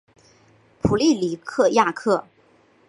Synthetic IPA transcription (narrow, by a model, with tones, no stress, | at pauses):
pʰu˨˩li˥˩li˨˩kʰɤ˥˧ja˥˧kʰɤ˥˩